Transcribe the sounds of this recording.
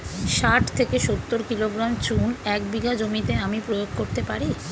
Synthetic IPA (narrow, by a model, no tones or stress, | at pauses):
ʃaʈʰt̪ʰekeʃot̪ːoɾkiloɡɾamt͡ɕunɛk̚biɡad͡ʑomit̪eamipɾojoɡkoɾt̪epaɾi